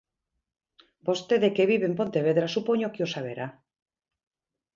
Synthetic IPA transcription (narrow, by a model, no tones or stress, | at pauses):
b̥ost̪eðekeβiβempo̞nt̪eβ̞eðɾasupoɲokeosaβ̞eɾa